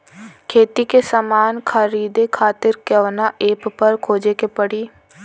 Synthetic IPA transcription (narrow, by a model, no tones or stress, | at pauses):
kʰeːt̪ikesəmaːnkʰəɾiːd̪ekʰaːt̪ɪɾkəʋnaʔeːppɐɾkʰoːd͡ʒekepəɽiː